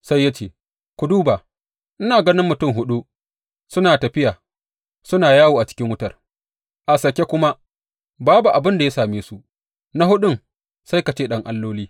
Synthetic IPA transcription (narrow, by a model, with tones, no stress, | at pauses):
sa˦jːa˦t͡ʃeː˦˨ | kʷʊ˨duː˦baː˨ | ʔɪ˦naː˨ɡɐ˦nɪ˦mːʊ˨tʊ˦˨mɦʊ˦ɗu˦ | sʊ˦naː˨tɐ˨ɸɪ˦jaː˨ | sʊ˦naː˨jaː˦woː˨ʔa˨t͡ʃɪ̥˦kʲɪ˦ŋwʊ˦tɐ˨r | ʔa˨sɐ˨kʲe˦kʷʊ˦ma˦ | baː˦bu˨ʔa˨bɪ˦nda˨ja˦saː˨meː˦su˦ʔ | na˦hʊ˦ɗʊ˦ŋ | sa˦jka˨t͡ʃeː˦ɗɐ˦ŋʔa˦lːoː˦liː˦